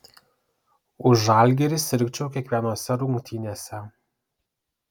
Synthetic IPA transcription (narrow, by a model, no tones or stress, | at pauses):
ʊʒɑˑlʲɡʲɛɾʲɪsʲɪɾʲkʲt͡ʃʲɛʊkʲiɛkʋʲiɛnoːsʲɛɾʊŋkt̪ʲʰiːnʲesʲɛ